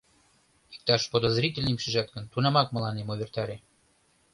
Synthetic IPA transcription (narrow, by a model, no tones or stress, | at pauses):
i̥k̚t̪ɑʃpod̪ə̆zɾʲitʲelʲnʲemʃiʒɑt̪̚ɡə̆nt̪unɑmɑk̚mə̆lɑnemoβʲert̪ɑɾʲe